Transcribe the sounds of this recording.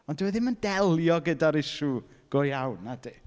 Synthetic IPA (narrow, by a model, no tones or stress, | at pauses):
ɔndəwɛðɪməndɛlˠjɔɡədaɾɪʃuɡ̥ojawnadi